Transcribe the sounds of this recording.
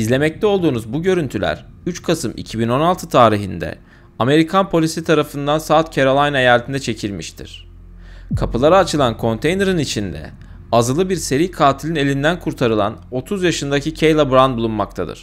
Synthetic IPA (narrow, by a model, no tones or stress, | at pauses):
izlʲe̞mɛc̚t̪ʰɛo̞lˠd̪uːnuzbuɟø̞ɾynt̪ʰylʲæ̰ɾyt͡ʃkʰasɯmʔḭcʰibino̞nalˠt̪ʰɯt̪ʰaːɾiɦḭnd̪ɛ̰ | ame̞ɾikʰanpʰo̞lʲisit̪ʰaɾafɯnd̪ansaːt̪̚cʰeɾolˠajnajalʲːt̪ʰind̪ɛt͡ʃʰe̞cʰilʲmiʃt̪ʰḭɾ̥ | kʰapɯlˠaɾaːt͡ʃɯlˠankʰo̞nt̪ʰejneɾɯnit͡ʃʰind̪ɛ̰ | azɯlˠɯbiɾse̞ɾijkʰaːt̪ʰilʲine̞lʲind̪ænkʰuɾt̪ʰaɾɯlˠa̰no̞t̪ʰuzjaʃɯnd̪acʰicʰejlˠabɾand̪̚bulˠunmakt̪ʰad̪ɯ̰ɾ̥